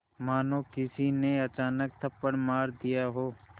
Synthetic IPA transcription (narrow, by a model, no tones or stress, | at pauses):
maːnoːkɪsineɐt͡ʃaːnək̚t̪ʰəpːəɽmaːɾd̪ijaɦoː